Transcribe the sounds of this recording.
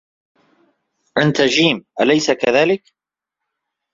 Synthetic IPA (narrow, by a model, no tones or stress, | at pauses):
ʔant̪ad͡ʒiːmʔalajsakaðaːlɪk